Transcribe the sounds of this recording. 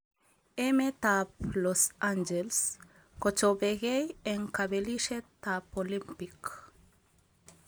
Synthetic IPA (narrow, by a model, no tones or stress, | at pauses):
emet̪aplosand͡ʒels | kot͡ʃobeɣejeŋkabeliʃet̪apolimpik